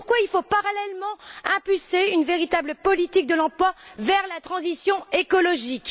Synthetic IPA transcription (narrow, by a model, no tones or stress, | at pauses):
ʁkwailfopaʁalɛlmɑ̃ɛ̃pylseynveʁit̪abləpɔlit̪ik̚d̪əlɑ̃plwavɛʁlat̪χɑ̃zisjɔ̃ekɔlɔʒik